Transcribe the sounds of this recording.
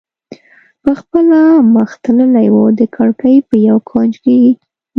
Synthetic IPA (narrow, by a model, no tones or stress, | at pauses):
pəxpəlaməxt̪ələlajwod̪əkʰaɽkajpəjawkʰɑnd͡ʒkeɡi